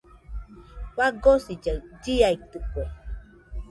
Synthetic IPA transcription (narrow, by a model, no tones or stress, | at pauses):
waɡosid͡ʒəd͡ʒijait̪ukʷe